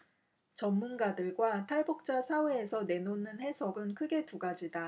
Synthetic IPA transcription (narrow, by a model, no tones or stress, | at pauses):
t͡ɕʌmːunɡadɯɭɡwatʰaɭbuk̚t͡ɕ͈asʰaweːsʰʌne̞nonɯnhe̞sʰʌɡɯnkʰɯɡe̞tuɡad͡ʑida